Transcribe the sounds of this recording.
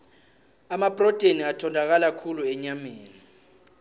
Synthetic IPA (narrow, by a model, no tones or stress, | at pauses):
amab̥ʼrɔd̥ʱeniatʰɔndʱak̬alakʰuluɛɲameːni